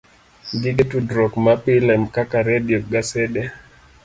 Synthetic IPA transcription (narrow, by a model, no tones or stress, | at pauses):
ɡiɡetudɾɔkmapilɛmkakaɾɛdiɔɡasɛdɛ